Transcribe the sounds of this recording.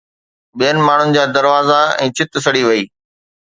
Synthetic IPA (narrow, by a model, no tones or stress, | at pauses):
ɓijənɪ̆maːɳ̤ʊnɪ̆d͡ʑaːd̪ɐɾʋaːzaɛ̰̃ːt͡ɕʰɪt̪sɐɽiʋɐiː